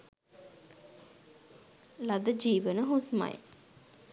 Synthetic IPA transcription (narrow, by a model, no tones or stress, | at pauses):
lad̪əd͡ʒiːʋənəɦusma̰j